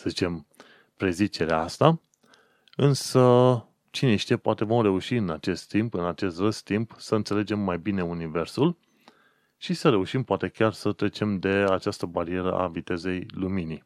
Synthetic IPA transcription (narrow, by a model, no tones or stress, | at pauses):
səzit͡ʃe̞m | pɾe̞zit͡ʃe̞ɾeaast̪a | ɨnsə | t͡ʃineʃt̪iepoat̪e̞vo̞mre̞uʃiɨnat͡ʃe̞st̪ːimpɨnat͡ʃe̞st̪rəst̪impsəɨnt̪se̞le̞d͡ʒe̞mːajbine̞unive̞rsul | ʃisəɾe̞uʃimpoat̪e̞kʲarsət̪ɾe̞t͡ʃe̞md̪e̞at͡ʃast̪əbaɾie̞ɾə̰ʔa̰vit̪e̞ze̞jlumini